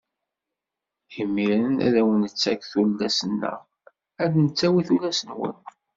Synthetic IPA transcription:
imːiɾənæ̰ðæwənət͡sːækθulːæsənːæ̰ | æd̪nət͡sːæwiθulæsənwə̰n

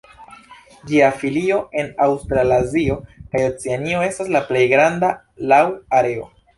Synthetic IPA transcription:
d͡ʒiafilio̞e̞nawstɾalazio̞kajo̞t͡seanio̞e̞staslaple̞jɡɾanda | lawaɾe̞o̞̰

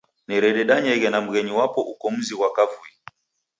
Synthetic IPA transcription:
niɾɛɗɛɗaɲɛɣɛnam̩ɣɛɲiwapɔʔukɔm̩ziwakavui

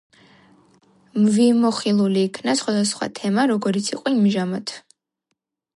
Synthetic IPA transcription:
mvimɔχilˠuliːkʰnasχwad̪asχwa̰t̪ʰɛmaɾɔɡɔɾit̪sʰiqʼiimʒamat̪ʰ

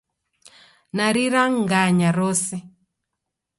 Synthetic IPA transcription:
naɾiɾaŋɡaɲaɾɔsɛ

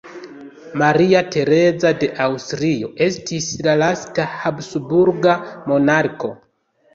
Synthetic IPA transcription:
maɾiate̞ɾe̞zade̞ʔawstɾio̞ʔe̞stislalastahabsubuɾɡamo̞naɾko̞

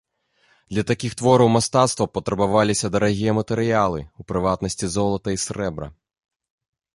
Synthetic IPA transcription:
d̪̥lʲɐt̪akʲixt̪ʋɔɾɐwmɐst̪at̪st̪vɐpɔt̪ɾɐbaʋalʲisʲɐd̪ɐɾɐɣʲijɛmɐt̪ɛɾɪjalˠɨ̰upɾɪvat̪nɐsʲt͡sʲizɔlˠɐt̪ɐisɾɛbɾɐ̰

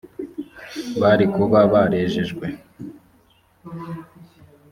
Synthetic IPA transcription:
βaɾikuβaβaɾeːʒeʒɡwe

